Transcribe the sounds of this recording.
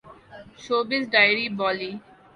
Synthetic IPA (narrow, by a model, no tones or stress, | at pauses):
ʃoːbɪsɖaɪəɾibɔːli